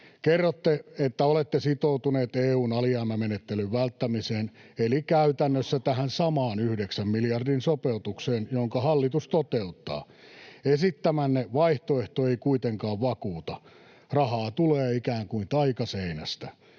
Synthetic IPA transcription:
kerːot̪ːeet̪ːæolet̪ːesit̪out̪uneːt̪eːuːnɑliɑːmæmenet̪ːelyʋʋælt̪ːæmiseːnelikæyt̪ænːøsːæt̪æhænsɑmɑːnyhdeksæmmiljɑrdinsopeut̪ukseːnjoŋkɑhɑlːit̪ust̪ot̪eut̪ːɑ̰ː | esit̪ːæmænːeʋɑiht̪oeht̪oeikuit̪eŋkɑːʋʋɑkuːt̪ɑ | rɑhɑːt̪uleːikæːŋkuint̪ɑikɑseinæst̪æ

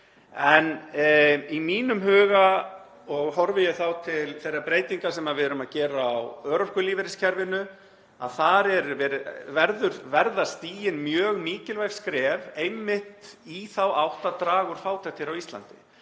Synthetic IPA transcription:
ɛn | imiːnʏmɦœːɣa | ɔɣhɔɾvɪjɛɣθawt̪ʰɪlθejrapɾejt̪iŋkasɛmaðvɪðɾʏmaðcɛːɾaːwœːɾɔ̥kʏliːvɪɾɪscʰɛɾvɪnʏ | a̰ðθaɾɛɾvɛvɛɾðʏɾvɛɾðast̪iːjɪnmjœːɣmiːcɪlvajfskɾɛːvejmːɪht̪iθawawht̪at̪ɾaːɣʏɾ̥faːwt̪ʰɛxt̪ɪɾawist̪la̰nt̪ɪ

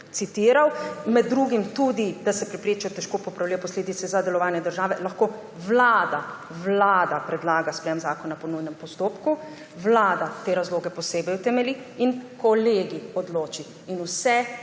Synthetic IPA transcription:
t̪sit̪iːɾawmɛd̪̚ːɾuːɡimt̪ud̪id̪asɛpɾɛpɾeːt͡ʃajt̪ɛʃkoːpɔpɾawliːjɛpɔsleːd̪it̪sɛzad̪ɛlɔʋaːnjɛd̪əɾʒaːʋɛlaxkoː | wlaːd̪a | ʋlaːd̪apɾɛd̪laːɡaspɾɛjɛmzaːkɔnapɔnujnɛmpɔst̪oːpku | wlaːd̪at̪eːɾazloːɡɛpɔseːbɛjwt̪ɛmɛliinkɔleːɡiɔd̪loːt͡ʃiːnusɛ

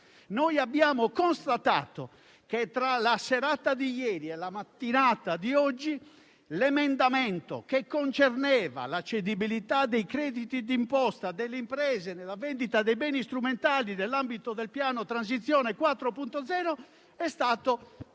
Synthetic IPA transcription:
nojabːjaːmokonst̪at̪a̰ːt̪o̰ | ket̪ɾalasɛɾat̪ad̪ijɛːɾiɛlamat̪ːinaːt̪ad̪iɔd͡ʒːi | lɛmɛnd̪amɛnt̪o̰kekːont͡ʃernɛːva̰lat͡ʃːed̪ibilit̪ad̪ːejkɾɛːd̪it̪id̪impɔst̪ad̪ɛlːeimpɾɛːzenɛlavɛnd̪it̪ad̪ejbɛːnist̪ɾument̪aːlid̪ɛlːambit̪od̪ɛlpjaːnot̪ɾans̬it̪sːjɔːnɛkwat̪ːɾopunt̪od̪zɛːɾo | ɛst̪aːt̪o

